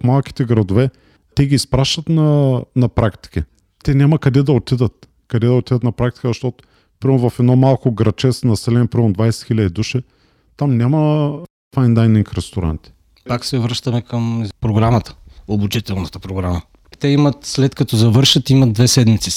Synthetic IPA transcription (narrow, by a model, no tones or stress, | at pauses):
fmalˠk̟i̥t̪ɛɡɾɐd̪ovɛ | t̪ɛɡʲiːspɾaʃt̪ət̪nɐnɐpɾakt̪i̥ki | t̪ɛnʲamɐkɐd̪ɛd̪ɐot̪id̪ət̪ | kɐd̪ɛd̪ɐot̪id̪ət̪nɐpɾak̚t̪i̥kəzɐʃt̪ɔt̪ʊ̥ | pɾimɛʊvɐfɛd̪nɔmalˠkoɡɾɐt͡ʃɛsnɐsɛlɛnʲpɾimɛnʊd̪vajsɛ̥t̪xilʲəd̪id̪uʃɛ | t̪amnʲamɐ | fajnlˠajniŋkɾɛst̪oɾa̰nt̪i̥ | paksɛvɾɤʃt̪ɐmɛkəmpɾoɡɾamət̪ə̥obut͡ʃit̪ɛlˠnət̪ə̥pɾoɡɾamə | t̪ɛimət̪slɛt̪kɐt̪ɔzɐvɤɾʃɐt̪imɐd̪̚d̪vɛsɛd̪mit̪si̥